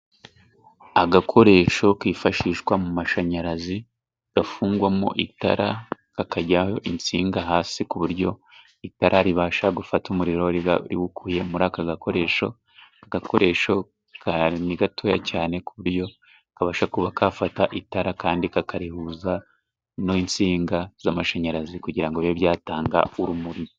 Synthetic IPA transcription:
aɡakʰo̞ɾe̞ːʃo̞kiːfaʃiːʃɡwamumaʃaɲaɾazi | ɡ̥afuːŋɡwamo̰ʔita̰ɾʔakakaɟaho̞ʔint͡siːŋɡaɦaːsikuβuɾɟo̞ | itaɾʔaɾiβaːʃaɡufatumuɾiɾo̞ɾḭwukʰuje̞muɾaːkaɡakʰo̞ɾe̞ːʃo̞̰ | aɡakʰo̞ɾe̞ːʃo̞ | kaniɡatʰojacaːne̞kuβuɾjo̞ | kaβaːʃakuβakʰafataʔitaɾakaːndikakʰaɾihuːza | noint͡siːŋɡaz̥amaʃaɲaɾazikuɟiɾaŋɡooβjaːtaːŋɡa̰uɾumuɾimo

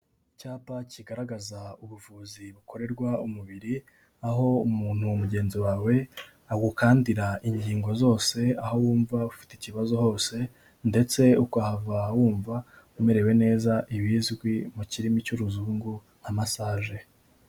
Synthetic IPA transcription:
icaːpaciɡaɾaɡazauβuvuːziβuko̞ɾe̞ɾɡwaumuβiɾi | aɦo̞umuːn̥huumuɟe̞ːnziwaːwe̞ | aɡukaːndiɾaiɲɟiːŋɡo̞zo̞ːse̞aho̞wuːɱvaufi̥ticiβazo̞ho̞ːse̞ | nde̞t͡se̞ukahavawuːɱva | ume̞ɾe̞we̞ne̞ːzaʔiβiːzɡwimuciɾimicuɾuzuːŋɡu | amasaːʒe̞

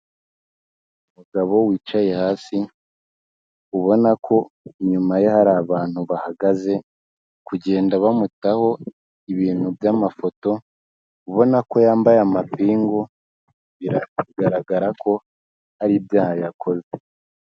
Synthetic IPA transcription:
umuɡaβo̞wiːt͡ʃaje̞haːsi | uβo̞nakʰo̞ɲumaje̞haɾaːβaːn̥huβahaɡaze̞ | kuɟe̞ːndaβamutaho̞ | iβiːn̥hubjamafo̞to̞ | uβo̞nako̞jaːmbajamapiːŋɡo̞ | βiɾaiɡaɾaɡaɾakʰo̞ | haɾibjaːhajakʰo̞ze

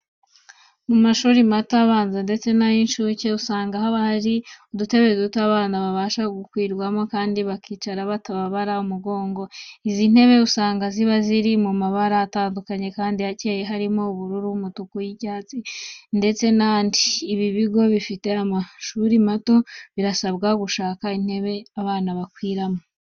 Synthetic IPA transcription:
mumaʃuːɾimato̞aβaːnzende̞t͡se̞najinʃuce̞usaːŋɡahaβahaɾiudute̞βe̞zutuaβaːnaβaβaːʃaɡukwiːɾɡwamo̞kaːndiβakʰiːt͡ʃaɾaβataβaβaɾaumuɡo̞ːŋɡo̞izin̥he̞βe̞usaːŋɡaziβaziɾimumaβaɾaːtaːndukaɲe̞kaːndiacejeɦaɾimouβuɾuɾumutukujiɟaːt͡sinde̞t͡se̞naːndiːβiβiɡo̞βifite̞amaʃuɾimato̞βiɾasaβɡaɡuʃaːkain̥he̞βe̞aβaːnaβakwiːɾamo

